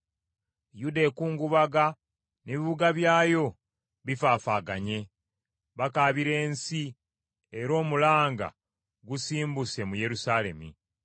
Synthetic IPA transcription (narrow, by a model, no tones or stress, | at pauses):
judekuːŋɡuβaɡa | neβiβuɡaβjaːjo̞ | βifaːfaːɡaɲe̞ | βakaːβiɾe̞ːnsi | eɾo̞ːmulaːŋɡa̰ | ɡusiːmbuse̞muje̞ɾusale̞̰mḭ